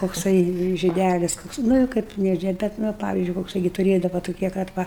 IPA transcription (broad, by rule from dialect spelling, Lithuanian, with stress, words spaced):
koːkˈsɐɪ ʒʲɪˈdʲælʲɪs ˈkoːks ˈnʊ ɪ ˈkɐɪp nʲɛ ˈʒʲiɛ ˈbʲɛt ˈnʊ ɐ ˈpɑːʋʲɪzʲd͡ʒʲʊɪ koːkˈsɐɪ ɡʲɪ tʊˈrʲeːdɐʋɐ tʊˈkʲiɛ kɐt ˈʋɐ